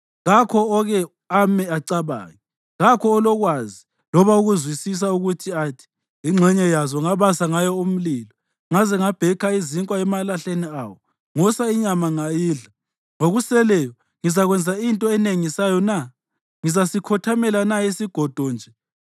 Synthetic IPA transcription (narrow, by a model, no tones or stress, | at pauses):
ɣakʰɔːɣɛ | amɛaǀaβa̰ːɣi | ɣakʰɔːlɔɣwazi | lɔβauɣuzwisis̬auɣutʰiatʰi̥ | iŋ͡ǁʱɛɲɛjazɔŋaβasaŋajɔum̩liːlɔ | ŋazɛŋab̥ʱɛkʰaiziŋkʼwaɛmalaɬeniawɔ | ŋɔsaiɲamaŋajiːɮa | ŋoɣusɛlɛjɔ | ŋizaɣwɛnd͡zʱaintʼɔɛneŋisajɔna | ŋizasikʰɔtʰamɛlanaisiɡ̥ʱɔd̥ʱɔnd͡ʒʱɛ